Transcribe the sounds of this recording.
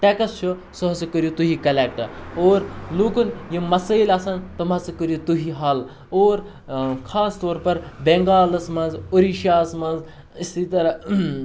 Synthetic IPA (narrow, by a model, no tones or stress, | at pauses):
ʈ̪ekɐst͡ʃʰo | sɐɦsɐkəɾjut̪uɦikɐlek̚ʈɐoːɾloːkunjimɐsəjlaːsɐnt̪ɐmɐt͡sɐkəɾjut̪uɦiɦal | oːɾ | kʰaːst̪oːɾpɐɾbeŋɡaːlɐsmɐnzoɾiʃjaːsmɐnd͡z | ist̪it̪ɐɾɐ